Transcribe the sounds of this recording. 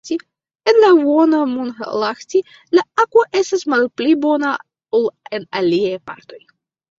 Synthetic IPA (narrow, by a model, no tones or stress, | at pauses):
ti | enlavonamunxlaxti | laakoʔe̞stasmalplibo̞na | olenaliajpa̰ɾt̪o̞j